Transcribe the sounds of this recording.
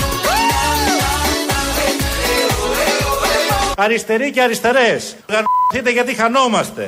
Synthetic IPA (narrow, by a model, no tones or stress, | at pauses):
ɐɾist̪e̞ɾiceɐɾist̪e̞ɾes | ɣɐnθit̪̬eʝɐt̪̬ixɐno̞mɐst̪e̞̰